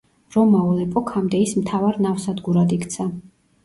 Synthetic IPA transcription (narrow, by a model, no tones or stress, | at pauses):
ɾɔmaulɛpʼɔkʰamd̪ɛismt̪ʰavaɾnafsad̪ɡuɾad̪ikʰt̪sʰa